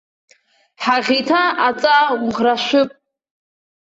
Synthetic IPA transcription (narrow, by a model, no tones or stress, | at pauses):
ħaʁʲitʰaat͡sʼauʁraʃʷʊpʼ